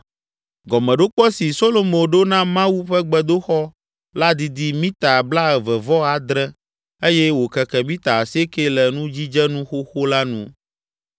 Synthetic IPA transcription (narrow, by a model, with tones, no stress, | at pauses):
ɡɔ˨mɛ̃˨ɖo˦k͡pɔ˦si˨so˦lo˨mõ˨ɖo˦nã˦mã˦wu˦ɸɛ˦ɡ͡bɛ˦d̪o˦xɔ˦ | la˦d̪i˨d̪i˦mĩ˦t̪a˨bla˦ɛ˨vɛ˨vɔ˦a˨d̪ɾɛ˦ | e˦jɛ˦wo˨kɛ˨kɛ˨mĩ˦t̪a˨se˦ke˦lɛ˨nũ˦d͡ʑi˦d͡ʒɛ˦nũ˦xo˦xo˦la˦nṵ̃˦